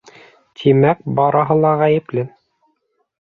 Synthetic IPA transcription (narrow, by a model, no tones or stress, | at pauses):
t̪ʰimæk̚bɑɾɑɦɤlˠɑʁæjɘ̆plɘ